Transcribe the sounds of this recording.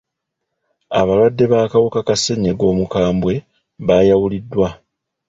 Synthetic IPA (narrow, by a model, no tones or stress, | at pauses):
aβalwadːe̞βaːkawokakase̞ɲeɡo̞ːmukaːmbwe̞ | βaːjawulidːwa